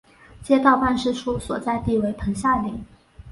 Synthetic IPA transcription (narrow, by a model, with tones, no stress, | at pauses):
t͡ɕjɛ˥t̪ɑ˥˧ʊpa˥˧nʂɻ̩˥˧ʂʰu˥swɔ˨˩t͡sa˥˧ɪt̪i˥˩we˧˥ɪp̪ʰɤ˧˥ŋɕja˥˩lḭ˨˧˩